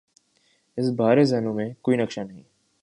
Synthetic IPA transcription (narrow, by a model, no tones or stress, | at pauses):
ɪsbʱaːɾezɐnõːmẽkoːinəkʃaːnəɦḭ̃ː